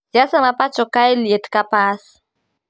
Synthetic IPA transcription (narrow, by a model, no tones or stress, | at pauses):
ziasəmapat͡ʃokajliet̪i̥kapasi̥